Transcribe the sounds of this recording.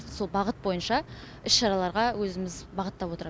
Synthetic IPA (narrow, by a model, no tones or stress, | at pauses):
so̞lˠbɑʁət̪̚bo̞jənʃɑ | ʏsʃɑɾɑlˠɑɾʁɑwɵzɪmɪzbɑʁət̪ːɑpwo̞t̪əɾ